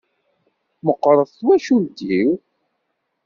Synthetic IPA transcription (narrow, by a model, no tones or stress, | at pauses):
məqːɾˤəðˤθwæʃuld̪iw